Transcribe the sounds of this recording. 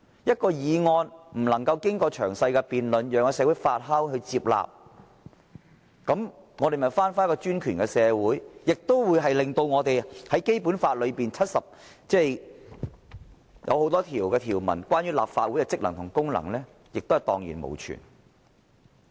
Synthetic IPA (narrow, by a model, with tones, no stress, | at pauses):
jɐ˥t̚kɔː˧jiː˨˧ŋɔː˧nm̩˨˩lɐ˨˩ŋkɐ˧wkɪ˥ŋkɔː˧t͡ʃʰœː˨˩ŋsɐ˧jkɛ˧piː˨nlɵ˨njœː˨ŋɔ˧sɛː˧wuː˨˥jfaː˧t̚ɦɐ˥wɦɵ˧t͡siː˧p̚la̰ː˨p̚ | kɐ˨˥m | ŋɔː˨˧ɾe˨˩mɐ˨˩jfaː˥nfaː˥jkːɔː˧t͡ʃyː˥nkʰyː˨˩nkɛ˧sɛː˨˧wuː˨˥jjɪ˨k̚t̪o˥wwuː˨˧jɦɐ˨jlɪ˨ŋt̪o˧wŋɔː˨˧t̪e˨jhɐ˨˥jke˥jpuː˨˥nfaː˧t̚lɵ˨˧ɥpiː˨˩nt͡sʰɐ˥t̚sɐ˨p̚ | t͡sɛː˥˩j | jʔɐ̰˧who˨˥wt̪ɔː˥t̪ʰiː˨˩wkɛː˧t̪ʰiː˨˩wmɐ̰˨˩nkwaː˥nɥyː˥la̰ː˨p̚faː˧t̚wuː˨˥jkɛ˧t͡sɪ˥k̚lɐ˨˩ŋt̪ʰʊ˨˩ŋkʊ˥ŋlɐ̰˨˩ŋlɛː˥ | jɪ˨k̚t̪o˥hɐ˨˩jt̪ɔː˨ŋjḭː˨˩nmo̰˨˩wt͡ʃʰy̰˨˩n